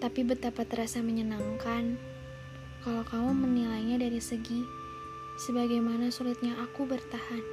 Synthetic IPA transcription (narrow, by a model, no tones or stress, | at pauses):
t̪apibət̪apat̪ɾasaməɲənaŋkan | kalokamumənilajɲadaɾisəɡi | səbaɡajmanasulɪt̪̚ɲaʔakubərt̪ahan